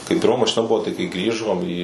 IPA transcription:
kɐɪ pʲɪrˈmɐ mɐʃʲɪˈnɐ ˈbʊʋoː tɐɪ kɐɪ ˈɡrʲiːʒoːm iː

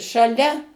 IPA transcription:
ʃɐˈlʲɛ

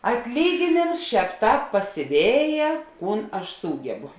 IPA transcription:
ɐtʲˈlʲiːɡʲeːnʲeːms ˈʃʲɛːp ˈtɑːp pɐsʲɪˈʋʲeːjɛ ˈkuːn ɐʃ ˈsuːɡʲɛbʊ

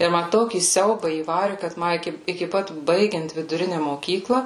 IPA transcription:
tɐɪ ˈmɐ ˈtoːkʲiː ˈsʲɛʊbɑː iːˈʋɑːrʲɪ kɐt ˈmɐ ˈɪkʲɪ ɪkʲɪ ˈpɐt ˈbɐɪɡʲɛnt ʋʲɪdʊˈrʲɪnʲɛ moːˈkʲiːklˠɐ

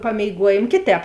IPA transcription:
pɐmʲeːɪˈɡuɔjeːm ˈkʲeːˌtʲɛːp

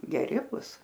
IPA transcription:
ɡʲɛˈrʲɪ ˈbʊs

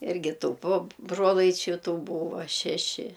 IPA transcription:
ˈɪrʲɡʲɪ ˈtuː poː ˈbroːlˠɐɪt͡ʃʲʊ ˈtuː ˈbuːʋoː ˈʃʲæːʃʲɪ

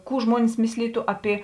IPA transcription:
ˈkuː ˈʒmuɔnʲɪs ˈmʲɪsʲlʲiːtʊ ɐˈpʲɪ

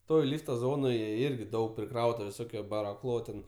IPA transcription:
ˈtoːj ˈlʲiːftɐ ˈzoːnoːjɛ ˈɪrʲɡʲɪ ˈdɐʊk pʲrʲɪˈkrɐʊtɐ ʋʲɪˈsoːkʲoː bɐrɐˈxlˠoː tʲɛn

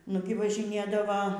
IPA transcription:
ˈnʊɡʲɪ ʋɐʒʲɪˈnʲeːdɐʋɐ

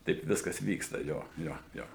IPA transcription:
ˈtɐɪp ˈʋʲɪskɐs ˈʋʲiːkstɐ ˈjoː ˈjoː joː

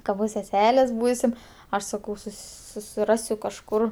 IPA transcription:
kɐ ˈbʊs sʲɛˈsʲæːlʲeːs ˈbuːsʲɪm ˈɐʃ sɐˈkɐʊ ˈsʊs sʊsʲɪˈrɑːsʲʊ kɐʃˈkʊr

